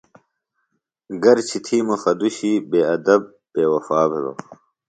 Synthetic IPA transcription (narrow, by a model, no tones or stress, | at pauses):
ɡɐɾt͡ɕʰit̪ʰiːmuxɐd̪uɕiːbeːɐd̪ɐb̚ | b̥eːwɐfaːbelo̰